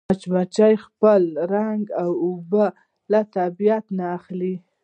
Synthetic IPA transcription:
at͡ʃmat͡ʃajxpəlɾaŋɡawʊba | lat̪abijat̪naːxli

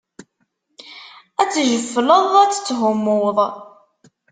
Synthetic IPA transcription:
æt͡sːʒəfːləðˤæt͡sːə̥t͡sːɦʊmːʊwðˤ

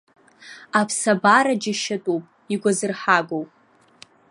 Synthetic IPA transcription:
apʰsabaɾad͡ʒɪʃatʼuwpʼ | iɡʷazɨrħaɡʷowpʼ

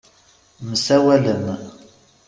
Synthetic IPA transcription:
məsæwæləm

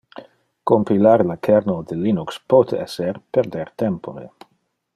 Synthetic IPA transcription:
kompilaɾlakʰɛɾnod̪elinukspot̪eɛserpeɾd̪eɾt̪ɛmpoɾḛ

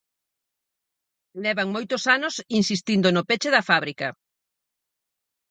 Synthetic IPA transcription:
lɛβɐŋmojt̪ʊsanosinsist̪ind̪onʊpet͡ʃeðɐfaβɾikɐ

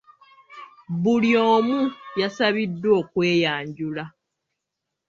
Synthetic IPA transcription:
βulio̞ːmujasaβidːwo̞ːkwe̞ːjaːɲɟula

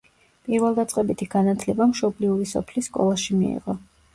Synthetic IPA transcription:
pʼiɾvɛlˠd̪at̪sʼqʼɛbit̪ʰiɡanat̪ʰlɛbamʃɔbliuɾisɔ̰pʰlisːkʼɔ̰lˠaʃimḭḭʁɔ

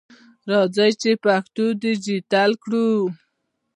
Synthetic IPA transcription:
ɾɑd͡zəjt͡ʃepaxt̪ud̪id͡ʒit̪alkɽu

